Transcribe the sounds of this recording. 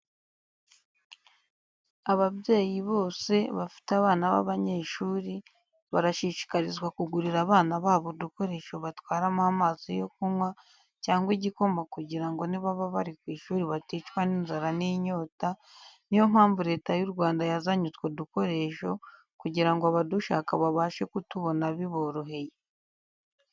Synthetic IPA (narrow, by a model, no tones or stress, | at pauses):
aβaβje̞ːjiβo̞ːse̞βafi̥taβaːnaβa̰βaɲe̞ʃuːɾi | βaɾaʃiʃi̥kaɾizɡwakuɡuɾiɾaβaːnaβaːβoduko̞ɾe̞ʃo̞βatwaːɾamaamazijo̞kumwa | caːŋɡwiɟiko̞makuɟiɾaŋɡo̞niβaβaβaɾikwiːʃuːɾiβatiːt͡ʃwaniːnzaɾaniɲo̞ːtanijo̞m̥haːɱvuɾe̞ːtajuɾɡwaːndajazaɲut͡swoduko̞ɾe̞ːʃo̞ | kuɟiɾaŋɡoaβaduʃa̰ːkaβaβaːʃe̞kutuβo̞naβiβoɾuɦe̞je